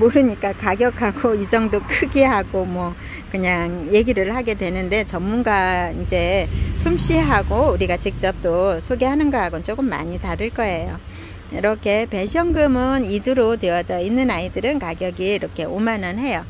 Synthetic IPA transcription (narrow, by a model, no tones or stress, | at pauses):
moɾɯɲik͈akaɡjʌkʰaɡoid͡ʑʌŋdokʰɯɡiɦaɡomwʌ | kɯɲaŋje̞ɡiɾɯɭhaɡe̞dwenɯnde̞t͡ɕʌmːunɡaind͡ʑe̞sʰumɕ͈ʰiɦaɡouɾiɡat͡ɕik̚t͡ɕ͈ʌp̚t͈osʰoɡehanɯnɡʌɦaɡɯnt͡ɕ͈ok͈ɯmːa̰ɲitaɾɯɭk͈ʌe̞jo | iɾʌkʰe̞pe̞ɕʰʌŋɡɯmɯnidɯɾotweʌd͡ʑʌinːɯnaidɯɾɯnkaɡjʌɡiːɾʌkʰe̞omanɯnɦe̞jo